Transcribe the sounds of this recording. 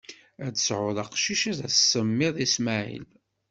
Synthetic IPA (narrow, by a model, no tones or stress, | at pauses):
æd̪əsʕʊðˤɑqʃiʃæðæssəmːɪðˤismaʕḭl